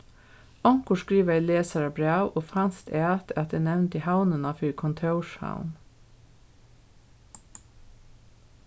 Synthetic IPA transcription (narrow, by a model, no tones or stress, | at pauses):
ɔŋkʊʃkɹiːʋɑɪleːsɑɹɑbɹæʉʔoːfɑnst̪æːt̪ʰɑt̪̚d̪eːnɛʋnt̪ihawnənɑfʏːɾkʰɔnt̪ʰœʊʃha̰ʊn